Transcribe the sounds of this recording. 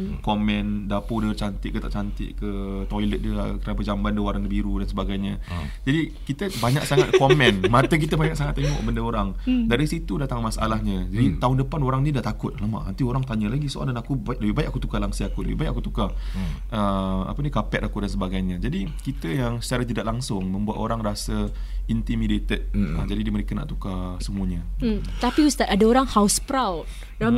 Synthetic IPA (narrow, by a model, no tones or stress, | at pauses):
komɛ̃ndapodət͡ʃant̪ɪʔkːət̪aʔt͡ʃant̪ɪ̰ʔkət̪ɔjlət̪̚dəkəɾanap̬əd͡ʒambandəwaɾandəbiɾudansəbaɡajɲə | d͡ʒadikit̪əbaɲak̚saŋat̪̚komɛnmat̪ək̬it̪əbaɲak̚saŋat̪ːeŋɔ̰ʔbəndəoɾaŋdaɾisit̪udat̪aŋmasa̰lahɲə̃d͡ʒadit̪aʊndəpanoɾaŋdiədaʔt̪akʊt̪̚lamã̰ʔant̪ioɾaŋt̪aɲəlaɡisoʔa̰ndanakubajaʔ̚ləbibajaʔakut̪ukalaŋsiakulə̰bḭbajaʔakut̪uka | ʔəa̰pənikapɛt̪̚akudans̬əbaɡajɲəd͡ʒadikit̪əjaŋsə̥t͡ʃaɾad͡ʒədaʔ̪laŋsʊŋmə̃mbuat̪oɾaŋrasə | int̪imidet̪ət̪̚ə̰d͡ʒadidiməɾekəna̰ʔt̪ukasəmuəɲə | t̪apiust̪at̪adaoɾaŋhaʊspɾawt̚